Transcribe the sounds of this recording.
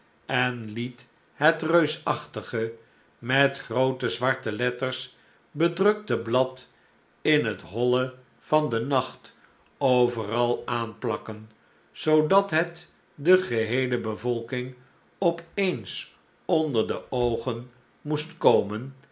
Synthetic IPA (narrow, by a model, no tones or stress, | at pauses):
ɛnlit | hətrøɥsɑχtəχə | mɛtχrowtəzʋɑɹtəlɛtərs | bədrɵk̚təblɑt | ɪnɦətɦɔlə | v̥ɑndənɑχt | owvərɑlˠaːnplɑkən | z̥owdɑtɦɛt | dəχəɦejləbəvɔlˠkɪŋ | ɔpejns | ɔndəɹdəʔowχən | mustkowmən